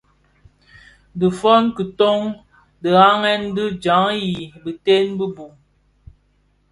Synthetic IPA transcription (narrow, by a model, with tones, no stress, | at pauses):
də˨fɔ˦nkə˨to˦ŋ | də˨ɣa˦ŋɛ˦ndɨ˦d͡ʒa˨˦ŋji˨bi˨te˦nbə˦bu˨